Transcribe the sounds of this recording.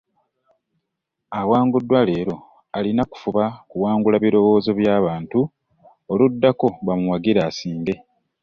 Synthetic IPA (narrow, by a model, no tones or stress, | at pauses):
awaːŋɡudːwale̞ːɾo̞ | alinaku̥fuβakuwaːŋɡulaβiɾo̞wo̞ːzo̞βjaːβaːntu | oludːako̞βamuwaɡiɾaːsiːnde̞